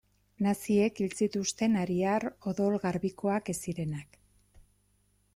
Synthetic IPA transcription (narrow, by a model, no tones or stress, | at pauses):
nasie̞kilt͡sit̪ust̪e̞naɾiaɾo̞ðo̞lɣaɾβiko̞ake̞siɾe̞nak